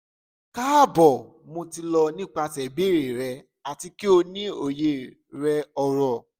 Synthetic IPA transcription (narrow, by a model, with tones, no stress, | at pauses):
ka˦˨bɔ˨ | mõ˧ti˧lɔ˧nĩ˦k͡pa˧tɛ˨be˦˨ɾe˨ɾɛ˧ | a˨ti˧ki˦o˧nĩ˦o˦˨je˦˨ | ɾɛ˧ɔ˧˨ɾɔ˨